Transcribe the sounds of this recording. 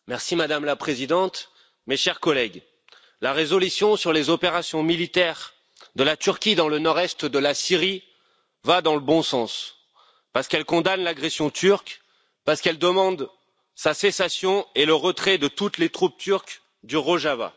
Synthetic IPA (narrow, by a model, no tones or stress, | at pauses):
mɛʁsimad̪amlapχezid̪ɑ̃t̪ | meʃɛʁkɔlɛɡ | laʁezɔlysjɔ̃syʁlezɔpeʁasjɔ̃milit̪ɛʁ | d̪əlat̪yʁkʲid̪ɑ̃lənɔʁɛst̪d̪əlasiʁi | vad̪ɑ̃ləbɔ̃sɑ̃s | paʁsə̥kɛlkɔ̃d̪anlaɡʁesjɔ̃t̪ʰyʁk | paʁsə̥kɛld̪əmɑ̃d̪ | sasesasjɔ̃eləʁət̪χɛd̪ət̪ut̪let̪χup̚t̪yʁk | d̪yʁoʒava̰